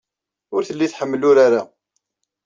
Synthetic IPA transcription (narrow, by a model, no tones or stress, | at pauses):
ʊɾθəlːiθħəmːəlʊɾaɾa